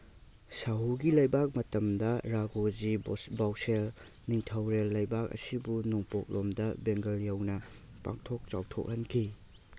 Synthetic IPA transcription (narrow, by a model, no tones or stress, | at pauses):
saɦuɡilɐjbak̚mɐtɐmdɐɾaɡod͡ʒibawsel | niŋtʰɐwɾelːɐjbak̚ɐ̰sibunuŋpok̚lomdɐbeŋɡɐljɐwnɐ | pa̰ŋtʰok̚t͡ʃa̰wtʰo̰k̚hɐnkʰi